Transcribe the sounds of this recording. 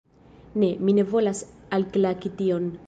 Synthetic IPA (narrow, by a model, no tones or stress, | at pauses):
neminevo̞lasalklakit̪ion